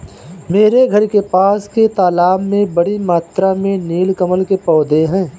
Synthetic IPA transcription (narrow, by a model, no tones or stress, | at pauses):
meːɾeɡʱəɾkepaːsket̪aːlaːmːẽbəɽimaːt̪ɾamẽniːlkəməlkepɔːd̪eɦɛ̃ː